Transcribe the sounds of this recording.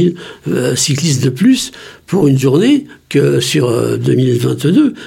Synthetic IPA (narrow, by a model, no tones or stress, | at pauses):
ilsiklist̪d̪əplyspuʁynʒuʁnekəsyʁ̰d̪ø̰milvɛ̃t̪d̪ø